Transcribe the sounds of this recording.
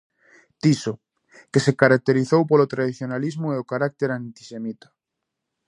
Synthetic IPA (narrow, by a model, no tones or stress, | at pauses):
t̪iso | kesekaɾak̚t̪eɾiθowpolot̪ɾaðiθjonalizmoeokaɾak̚t̪eɾant̪i̥semit̪ḁ